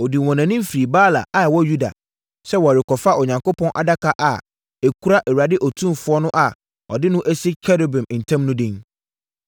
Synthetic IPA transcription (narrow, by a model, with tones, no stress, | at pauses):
ɔ˨di˨wɔ̃˨nã˨nĩ˦m˦fi˨ɾi˨baː˦la̰˨a˨wɔ˦ju˦da̰˨ | sɛ˦wɔ˨ɾɪ˨kʰɔ˨fa˦ʔɔ˨ɲã˨ŋko˦pʰɔ̃˦nʔa̰˨da˦kʰa˦ʔa˨ | ɛ˨kʰu˦ɾa˦ʔɛ˨wu˨a˨dɪ˦ʔɔ˨tʰũ˦mfʊ˦ɔ˦nʊ̃˦ʔa˨ | ɔ̰˨dɪ˦nʊ̃˦ʔæ˦si˦kʰɛ˦ɾo˨bɛ̃˨m˨n̩˨tʰã˦mnʊ̃˦dɪ̃˦n